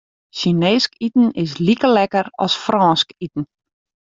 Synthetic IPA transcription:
ʃineːskitn̩ɪs̬likəlɛkəɾɔ̰sfrʔɔːskitn̩

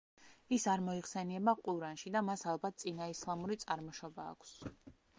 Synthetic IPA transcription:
isaɾmɔiχsɛniɛbaqʼuɾanʃid̪amasalˠbat̪̚ʰt̪sʼinaislˠamuɾit̪sʼaɾmɔʃɔba̰ːkʰs

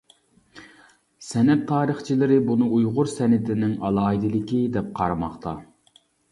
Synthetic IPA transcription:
sɛnɛt̪ʰːɑːɾəχt͡ʃʰilɪɾɪbunɨujʁʊɾsɛnɪt̪ɪnɪŋɑlˠɑːid̪ɪlɪkʲid̪ɛp̚qʰɑ̰ɾɑmɑχt̪ʰɑ

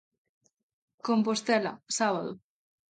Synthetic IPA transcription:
kompost̪ela̰saβaðo̰

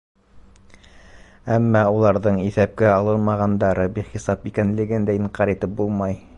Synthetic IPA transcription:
æmːɑulˠɑɾðɤɴiθæp̚kæɑlˠɤɾmɑʁɑnd̪ɑɾɤbiχisɑpikænlɘ̆ɡɘnd̪æiɴqɑɾit̪ɘp̚bulˠmɑj

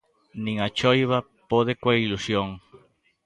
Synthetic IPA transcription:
nĩŋat͡ʃojβɐ | poð̞ɪkwailusjoŋ

